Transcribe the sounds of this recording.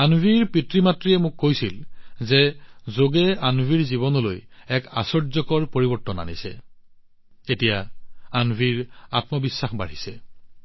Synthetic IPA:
anbʱiɹpitɹimatɹiɛmʊkːojsilzɛzoɡɛanbʱiɹziβɔnɔlo̰jɛkasɔɹzɔkɔɹpoɹibɔɹtɔna̰nisɛ̰ | etijaanbʱiɹatmɔbisːaxba̰ɹisɛ

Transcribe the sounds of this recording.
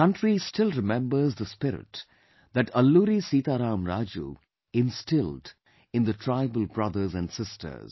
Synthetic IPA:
ʌ̃nʈɾistɪlɾɪmɛ̃mbəɾzd̪əspɪɾɪ̰ʈ | d̪æʈʌlːuɾisiːt̪aɾãːmɾaːd͡ʒṵ | ɪ̃nstɪld | ɪ̃nðətʰɹaɪbəlˠbɾʌðə˞zæ̃nsɪstʰə̰˞z̥

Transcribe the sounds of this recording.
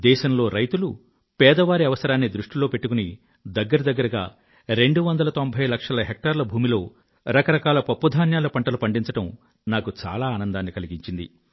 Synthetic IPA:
d̪ɛːʃɐmlo̞ːɾɐjt̪ulu | pɛːd̪ɐʋaːɾiɐʋɐsɐɾaːnːid̪ɾuʂʈilo̞ːpe̞ʈːukuni | d̪ɐɡːɐɾɐd̪ɐɡːɐɾɐɡa̰ː | ɾe̞ɳɖuʋɐnd̪ɐlɐt̪o̞mbʱɐjlɐkʂɐlɐɦek̚ʈaːɾlɐbʱuːmilo̞ː | ɾɐkɐɾɐkaːlɐpɐpːud̪ʱaːnjaːlɐpɐɳʈɐlupɐɳɖiɲt͡ʃɐʈɐm | naːkut͡ʃa̰ːlaːnɐnd̪aːnːikɐliɡiɲt͡ʃind̪ḭ

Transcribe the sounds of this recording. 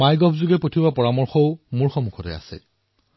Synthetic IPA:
majɡɔpʰzuɡɛpotʰiwapɔɹamɔɹxɔʊmuɹxɔmukʰɔtɛ̰a̰sɛ̰

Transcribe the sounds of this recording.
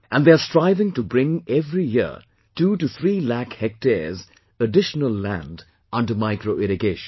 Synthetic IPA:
ʔæ̃nd̪eəstɹaɪvɪ̃ŋtubɾɪ̃ŋɛvɾijɪ | tuːʈuθʰɹiːlækhɛk̚tez | əɖɪʃənəlˠːæ̰̃nd | ʌ̃nɖəmaɪkɾoʔɪɾɪɡeːʃə̃n

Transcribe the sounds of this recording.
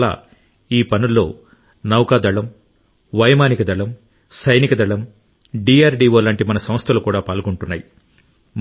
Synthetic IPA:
la̰ː | iːpɐnulːo̞̰ː | nɐwkaːd̪ɐɭɐm | ʋɐjɐmaːnikɐd̪ɐɭɐm | sɐjnikɐd̪ɐɭɐm | ɖiːaːɾɖiːʋoːlaːɳʈimɐnɐsɐmst̪ʰɐlukuːɽaːpaːlkuɳʈunːaːji

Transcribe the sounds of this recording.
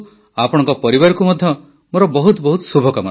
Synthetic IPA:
apɔɽ̃ɔ̃ŋkɔpɔɾibaɾɔkumɔd̪ʱjɔ | moɾɔbɔɦut̪bɔɦut̪subʱɔkamɔ

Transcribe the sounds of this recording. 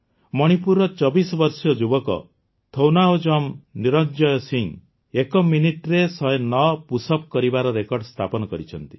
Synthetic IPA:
mɔɽ̃ipuɾɔt͡ʃɔbisɔbɔɾsɔd͡ʒubɔkɔ̰ | t̪ʰownaod͡ʒɔmniɾɔnd͡ʒɔjɔsiŋ | ekɔminiʈɾesɔenɔpusɔp̚kɔɾibaɾɔɾekɔɾɖst̪ʰapɔnɔkɔɾit͡ʃʰɔnt̪i̥

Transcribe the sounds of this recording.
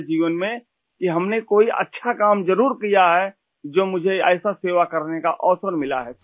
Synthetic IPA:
d͡ʒiːʋənmẽ | kiɦɐmnekoːiʔɐ̰tːʃʰakaːmd͡ʒəɾuːɾkijaɦɛ | d͡ʒoːmʊd͡ʒʱeɛːɪsaseːʋakɐɾnekaʔɔːsəɾmɪla̰ɦɛ

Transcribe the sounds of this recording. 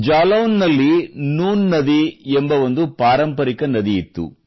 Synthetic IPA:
d͡ʒaːlɐʋnːɐlːinuːnːɐd̪iɛmbɐʋond̪upaːɾɐmpɐɾikɐnɐd̪iːt̪ːṵ

